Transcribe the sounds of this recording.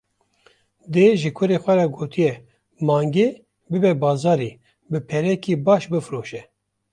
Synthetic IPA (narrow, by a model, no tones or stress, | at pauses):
d̪eːʒɨkʰʊɾeːxʷɛɾaɡoːt̪ʰɨjɛ | mɑːŋɡeː | bɨbɛbɑːzɑːɾeː | bɨpʰɛɾɛkiːbɑːʃbɨfɨɾoːʃɛ